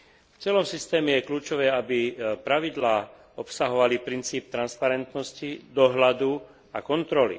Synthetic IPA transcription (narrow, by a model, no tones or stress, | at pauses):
ft͡sɪɛlɔmsist̪ɛːmɛjɛkluːt͡ʃɔʋɛːabipɾaʋid̪laː | ɔpsaɦɔʋalipɾint͡siːp̚t̪ɾanspaɾɛnt̪nɔscid̪ɔɦlad̪u | akɔnt̪ɾɔlḭ